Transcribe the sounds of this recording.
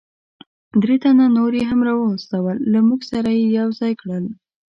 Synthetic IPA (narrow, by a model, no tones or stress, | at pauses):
d̪ɾet̪ananoɾeɦamɾɑwəːst̪awəlːamuɡsaɾajejawzɑjkɽəl